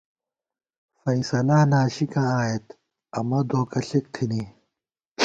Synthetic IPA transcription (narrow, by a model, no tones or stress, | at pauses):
fɐĩsɐnaːnaːɕikãːaːet̪ | ɐmɐd̪oːkɐɬik̚t̪ʰini